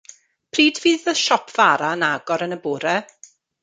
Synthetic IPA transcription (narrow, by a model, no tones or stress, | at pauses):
pʰriːdviːðəðʃɔpʰv̥aɾaənaɡɔɾənəbʊɾɛ